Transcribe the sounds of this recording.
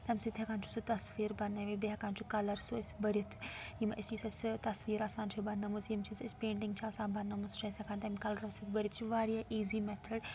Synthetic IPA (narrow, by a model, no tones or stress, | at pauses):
t̪ɐmsit̪ʰɐkaːnt͡ʃʰu̥sut̪ɐsʋiːɾbɐnːɐʋibeɐkãːnt͡ʃʰukɐlɐɾsuɐsbɐɾt̪ʰjimɐst͡ʃisɐst̪ɐsʋiːɾaːsaːnt͡ʃʰibɐnːɐmuzjimt͡ʃʰisɐspeːɳʈɪŋɡt͡ʃʰiaːsãːnbɐnːɐmust͡ʃʰɐsʲɐkʰaːnt̪ɐmkɐlɐɾɐʋsit̪ʰbɐɾʲit̪t͡ʃʰuʋaːɾijaʔiːzimɛt̪ʰɐɖ